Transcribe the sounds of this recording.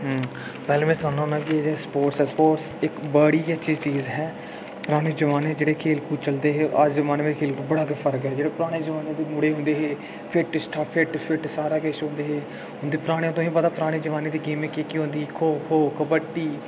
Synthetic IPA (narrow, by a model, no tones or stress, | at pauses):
ɦə | pɛːlẽːmɛ̃ːsaːnãːnãːkied͡ʒespoːʈsɛːspoːʈsɪkbəɽiːat͡ʃiːt͡ʃiːzɦɛː | pɾaːɽ̃eːd͡ʒəʋaːneːd͡ʒeːɽeːkʰeːlkuːt͡ʃəld̪eːɦeːʔəd͡ʒzəʋaːneʋekʰeːlkuːbəɽaːkepʰəɾkɦɛːd͡ʒeːɽeːpɾaːɽ̃eːd͡ʒəʋaːneːd̪eːmʊɽeːɦʊ̃nd̪eːɦeː | pʰɪʈsʈʰaːpʰɪʈpʰɪʈsaːɾaːkeːʃɦõːnd̪eːɦeː | ɦʊ̃nd̪eiːpɾaːɽ̃eːt̪õːɦĩːpəd̪aːpəɾaːɽ̃eːd͡ʒəʋaːneːd̪iːɡeːmekeːkiɦõːnd̪iːkʰoːkʰoːkəbəʈːiː